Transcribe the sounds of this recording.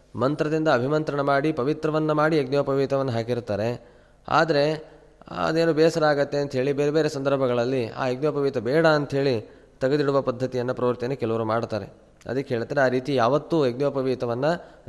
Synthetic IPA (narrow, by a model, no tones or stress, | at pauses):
mɐnt̪ɾɐd̪ind̪ɐːbʱimɐnt̪ɾɐɳɐmaːɽipɐʋit̪ɾɐʋɐnːɐmaːɽieɡnjoːpɐʋiːt̪ɐʋɐnːɐɦaːkiɾt̪aːɾe̞ | a̰ːd̪ɐɾe̞ | ɐ̰d̪eːnuːbɛːsɐɾaːɡɐt̪ːeɐnt̪ɦeːɭibeːɾebeːɾesɐnd̪ɐɾbʱɐɡɐɭɐlːia̰ːeɡ̚njoːpɐʋiːt̪ɐbɛːɽaːnt̪ɐɦe̞ːɭi | t̪ɐɡɐd̪iɽuʋɐpɐd̪ʱːɐt̪ijɐnːɐpɾɐːʋɐɾt̪jɐnekɛluʋɐɾumaːɽt̪aːɾe | ɐ̰d̪ɐkːeɦeːɭt̪adɾeaːɾiːt̪ijaːʋɐt̪ːueɡnjoːpɐʋiːt̪ɐʋɐnːɐ